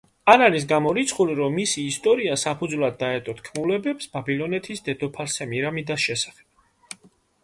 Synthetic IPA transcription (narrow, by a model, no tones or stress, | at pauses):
anaɾis̬ɡamɔɾit̪sʰχuliɾɔmːisiːst̪ʼɔɾiasapʰud̪zvlˠad̪ːaɛt̪ʼɔt̪ʰkʰmulɛbɛpsbabilˠɔnɛt̪ʰisd̪ɛd̪ɔpʰaɾsɛmiɾamid̪asʃɛsḁχɛ̥b̥̚